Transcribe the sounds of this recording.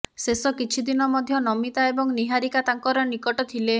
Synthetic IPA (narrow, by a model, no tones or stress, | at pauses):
sesɔkit͡ʃʰid̪inɔmɔd̪ʱjɔnɔmit̪aebɔŋniɦaɾikat̪aŋkɔɾɔnikɔʈɔt̪ʰile